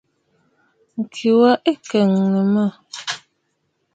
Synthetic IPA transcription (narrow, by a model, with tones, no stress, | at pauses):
ŋ̩˨kʰi˨wa˦ʔe˦kɛ˨ŋnə˨mə˦˨